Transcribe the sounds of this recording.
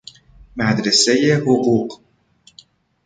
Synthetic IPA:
mæd̪ɾesejehoɢuːq

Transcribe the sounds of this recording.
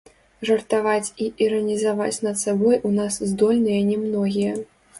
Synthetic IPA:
ʐɐrt̪avat͡sʲiʔiɾɐnʲizava̰t͡sʲnɐt̪sabɔjʔunaszd̪ɔlʲnɨjɐnʲɛmnɔɣʲijɐ

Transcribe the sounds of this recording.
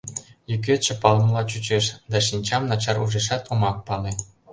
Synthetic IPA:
jyk̬ʲet͡ɕɘ̆pɑl̆ˠmlˠɑt͡ɕut͡ɕeʂd̪ɑʃinʲt͡ɕɑmnɑt͡ɕɑruʐeʂɑt̪umɑk̚pɑlʲˠe

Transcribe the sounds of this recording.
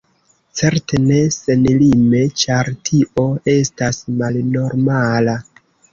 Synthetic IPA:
t͡se̞ɾte̞ne̞se̞nlime̞t͡ʃaɾtʰiʔo̞e̞stasmalno̞ɾmala

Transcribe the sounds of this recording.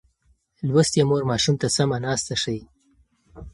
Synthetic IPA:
lwast̪jemoɾmɑʃumt̪asamanɑːst̪aʂəj

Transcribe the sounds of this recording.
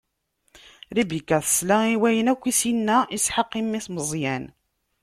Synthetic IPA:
ɾibikːæθə̥slæiwæjənækʷːisinːæisħəqːimːiθməzˤjæn

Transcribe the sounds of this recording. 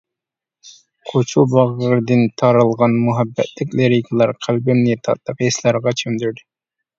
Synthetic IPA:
qʰot͡ʃʰubɑʁəɾɨd̪ɨnt̪ʰɑɾɨlˠʁɑnmuɦɛbːɛ̰t̪lɪkʲleɾikʰlˠɑɾqʰælbɪmnɪt̪ʰɑ̰t̪ːˠəqeslˠɑɾʁɑt͡ʃʰømd̪yɾd̪ɪ

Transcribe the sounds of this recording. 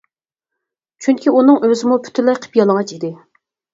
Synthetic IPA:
t͡ʃʰyŋkʲʰiunɨŋʔøzɪmupʰy̥t̪ʰylɛjqʰə̥pjɑlˠəŋɑt͡ʃid̪ɪ

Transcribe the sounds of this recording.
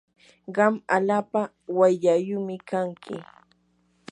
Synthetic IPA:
ɢɑmalaːpa | wajʎajʊmɪkaŋkʰɪ̰

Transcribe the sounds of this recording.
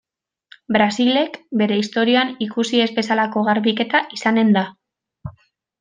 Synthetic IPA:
bɾasile̞kbe̞ɾe̞ist̪o̞ɾioanikusie̞zbe̞salako̞ɣaɾβike̞t̪aʔisane̞nd̪a

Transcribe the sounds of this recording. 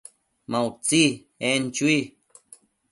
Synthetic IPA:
mãwt͡si | ent͡ʃwi

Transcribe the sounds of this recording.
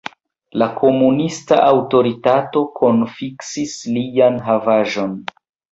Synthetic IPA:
lakʰo̞munistaʔawto̞ɾitato̞kʰo̞nfiksislijanɦavaʒo̞n

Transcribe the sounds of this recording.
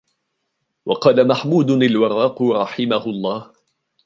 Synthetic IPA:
wɑqɑːlamaħmuːd̪ʊnalwɑɾˤːɑːqɾˤɑħɪmahʊlˤːɑːh

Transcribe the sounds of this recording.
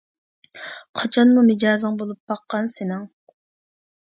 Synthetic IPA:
qʰɑt͡ʃʰɑnmumɪd͡ʒɑːzɨŋbolˠup̚bɑqːɑnsɪnɪŋ

